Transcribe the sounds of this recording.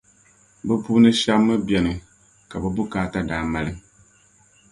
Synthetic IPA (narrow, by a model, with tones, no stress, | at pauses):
bɨ˦pu˦nɨ˦ʃa˦mːɨ˦bjɛ˨nɨ˨ | ka˨bɨ˨bu˦kaː˦ta˦daː˨ma˨lɨ˦ŋ